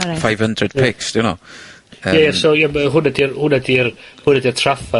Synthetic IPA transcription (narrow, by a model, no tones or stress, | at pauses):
fajv̥həndrəd̥̚pʰɪksd̥ɪwno̰ | əjajasojamɦʊnɛdirhʊnɛdirhʊnɛdirtʰrafa